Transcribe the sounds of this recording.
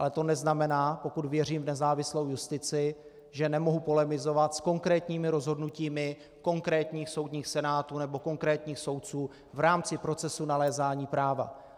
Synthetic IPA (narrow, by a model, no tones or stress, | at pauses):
ʔalɛt̪o̞nɛznamɛnaːpo̞kut̪vjɛriːmvnɛzaːvɪslo̞wjust̪ɪt͡sɪ | ʒɛnɛmo̞ɦupo̞lɛmɪzo̞vat̪sko̞ŋkɾɛːt̪ɲiːmɪɾo̞zɦo̞dnuciːmɪ | ko̞ŋkɾɛːt̪ɲiːxso̞wd̪ɲiːxsɛnaːt̪unɛbo̞ko̞ŋkɾɛːt̪ɲiːxso̞wt̪̚t͡suː | vɾaːmt͡sɪpɾo̞t͡sɛsunalɛːzaːɲiːpɾaːva̰